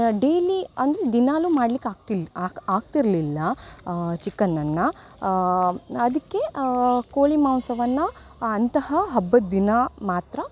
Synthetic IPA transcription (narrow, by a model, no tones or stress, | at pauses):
ɖeːliɐnd̪ɾed̪inaːluːmaːɖlikːaːɡt̪ilːaːɡt̪iɾlilːɐ | t͡ʃikːɐnːɐnːɐ | d̪ɐkːe̞koːɭimaːnsɐʋɐnːɐː | nt̪ɐhɐɦɐbːɐd̪d̪inamaːt̪ɾɐ